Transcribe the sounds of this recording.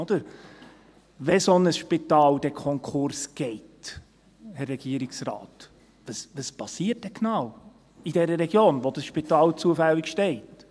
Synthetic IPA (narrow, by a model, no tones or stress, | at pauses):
od̪̥əɾ | ʋɛsonəsʃpitɑːld̥ɛkʰɔŋkχʊɾsɡ̥ɛɪt | hɛɾrɛɡ̥iəɾiksrɑ̰ːt | vəsvəspɑsiːət̚dɛknɑw | idɛɾəɾɛɡjoːnʋod̥əsʃpitɑːlt͡suəfɛlːikʃtɛɪt